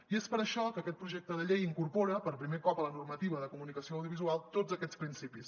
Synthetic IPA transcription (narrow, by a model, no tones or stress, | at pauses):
iespəɾəʃɔkəːkɛt̪̚pɾuʒek̚t̪əðəʎejiŋkurpɔɾəpəɾpɾimekɔpələnurmət̪iβ̞əðəkumunikəsioːwðijuβizualˠt̪od͡zəkɛt͡spɾinsipis